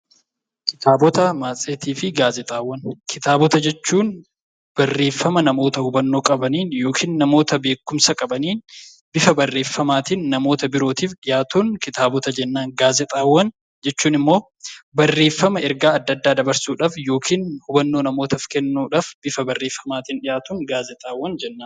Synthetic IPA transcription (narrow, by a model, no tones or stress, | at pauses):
kɪt̪aːbɔt̪ɐmaːt͡sʼeːt̪iːfɪɡaːzɛt̪ʼaːwːɐnkʰɪt̪aːbɔt̪ɐd͡ʒɛt͡ʃːuːn | b̥ɐrːe̞ːfːɐmɐnɐmo̞ːt̪ɐhʊbɐnːoːkʼɐbɐniːnjo̞ːkʰiːnːɐmo̞ːt̪ɐbe̞ːkːʊmsɐkʼɐbɐniːn | bɪfɐbɐrːe̞ːfːɐmaːt̪ɪnnɐmo̞ːt̪ɐbɪɾoːt̪iːfjaːt̪uːŋkɪt̪aːbɔt̪ɐd͡ʒɛnːaːnɡaːzɛt̪ʼaːwːɐn | d͡ʒɛt͡ʃːuːnɪmːo̞ː | bɐrːe̞ːfːɐmɐɛɾɡaːɐd̪ːɐd̪ːaːd̪ɐbɐɾsuːᶑaːfjo̞ːkʰiːnhʊbɐnːo̞ːnɐmo̞ːt̪ɐfkɛnːuːᶑaːfb̥ɪfɐbɐrːe̞ːfːɐmaːt̪ɪnᶑɪjaːt̪uːŋɡaːzɛt̪ʼaːwːɐnd͡ʒɛnːaː